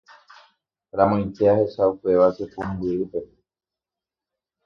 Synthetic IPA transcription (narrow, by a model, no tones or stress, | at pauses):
ɾãmõj̃nt̪eahe̞ʃaupe̞ʋasepumbiɾɨpe̞